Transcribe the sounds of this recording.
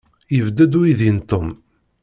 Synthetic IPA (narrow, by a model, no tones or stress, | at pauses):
jəvd̪əd̪uiðint̪om